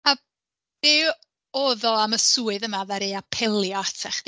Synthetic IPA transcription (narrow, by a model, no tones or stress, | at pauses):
a | dɪ | oːðɔaməsuːɨðəmavaɾeapʰɛlˠjɔatʰaχd̥